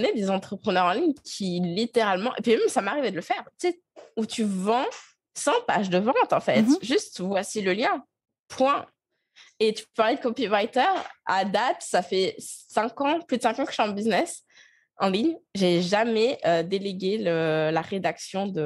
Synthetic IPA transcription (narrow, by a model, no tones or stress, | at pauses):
ned̪ezɑ̃t̪χəpχənœʁɑ̃liɲkʲʰilit̪eʁalmɑ̃ʔepimɛmsamaʁivɛd̪ələfɛʁt̪e | ut̪yvɑ̃ | sɑ̃pa̰ʒd̪əvɑ̃t̪ɑ̃fɛt̪ʒyst̪vwasiləljɛ̃ | pʰwɛ̃ | et̪y̥ppaʁlɛd̪əkɔpivajt̪œʁa̰d̪at̪safɛsɛ̃kɑ̃plyd̪əsɛ̃kɑ̃kə̥ʃyɑ̃mbiznɛs | ɑ̃liɲʒeʒamɛʔød̪eleɡʲeləlaʁed̪aksjɔ̃d̪ə